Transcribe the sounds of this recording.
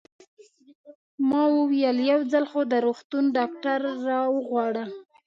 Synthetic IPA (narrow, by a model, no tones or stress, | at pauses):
mɑwəwijəljawd͡zalxod̪əɾoxt̪unɖɑkʈaɾːɑwəɣwɑɽə